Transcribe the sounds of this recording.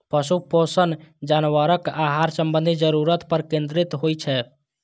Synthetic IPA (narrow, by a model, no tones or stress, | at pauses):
pəsuposənd͡ʒanʋəɾəkaɦaɾsəmbənd̪ʱid͡ʒəɾuɾət̪pəɾkẽnd̪ɾit̪ɦojt͡ʃʰɛ